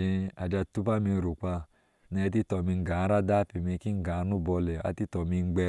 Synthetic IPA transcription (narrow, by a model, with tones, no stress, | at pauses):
i˧a˨d͡ʒa˧tu˦pa˦mi˧˨ɾu˨k͡pa˧ | nɛ˧˦ti˦tɔ˧˨mi˧ŋ̩˦ɡa˨˦ɾa˦da˦pi˧mi˧ki˦ŋ̩˦ɡa˨˧˦nu˦bɔ˧lɛ˨a̰˧˦ti˦tɔ˧mi˧ŋ̩˦ɡ͡bɛ˧